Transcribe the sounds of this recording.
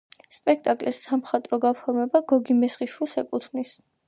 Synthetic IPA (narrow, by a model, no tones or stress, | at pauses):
spʼɛk̚ʰt̪ʼakʼlisːamχat̪ʼɾɔɡapʰɔɾmɛbaɡɔɡimɛsχiʃwilˠsɛkʼut̪ʰnis